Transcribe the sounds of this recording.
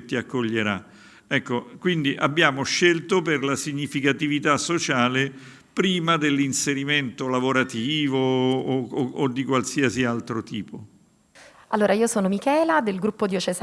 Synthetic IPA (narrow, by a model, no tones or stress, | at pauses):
t̪ːiakːoʎːeɾa | ɛkːokwind̪iʔabːjaːmoʃːelt̪operlasiɲːifikat̪ivit̪asːot͡ʃaːle | pɾiːmad̪elːinseɾiment̪olavoɾat̪iːvo | d̪ːikwalsiasialt̪ɾot̪iːpo | alːoːɾaiːosoːnomikɛːlad̪elɡɾupːod̪iot͡ʃez